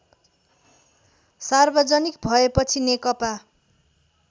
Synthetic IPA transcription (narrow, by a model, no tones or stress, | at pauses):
sarbʌd͡zʌnikbʱʌepʌt͡sʰinekʌpa